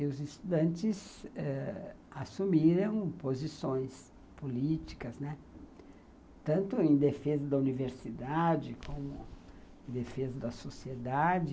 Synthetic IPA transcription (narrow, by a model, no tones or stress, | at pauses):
ɪʊzɪst̪ud̪ɐ̃nt͡ʃɪzɛ | asumiɾɐ̃w̃pozisõj̃s | polit͡ʃi̥kɐznɛ | t̪ɐ̃nt̪ʊẽj̃d̪efezɐd̪ɐuniveɾsid̪ad͡ʒɪkʰõmʊẽd̪efezɐd̪ɐsosied̪ad͡ʒɪ